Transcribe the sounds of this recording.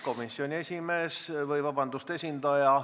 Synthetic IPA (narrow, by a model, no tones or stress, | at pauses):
ko̞misːio̞nʲie̞sʲime̞ːsvɤjvɑbɑnd̪ust̪e̞sʲind̪ɑjɑ